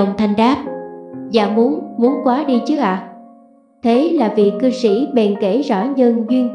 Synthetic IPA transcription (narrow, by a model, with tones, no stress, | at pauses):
wŋ͡mt̪ʰa˨˧˩jŋ̟ɗaː˦˥p̚za̰ː˧˩mu˨˦ənmu˨˦ənkwaː˨˦ɗi˧t͡ɕɨ˦˥ək̚ʔaː˧˨˩ | t̪ʰe˨˦laː˨˩vi˨˩kɨ˧sḭ˧˩ɓɛ˨˩nke˧˩zɔ̰˧˩ɲə˧nzwi˧ən